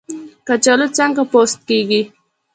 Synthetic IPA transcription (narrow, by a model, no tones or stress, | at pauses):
kat͡ʃalot͡saŋɡapost̪̚keɡi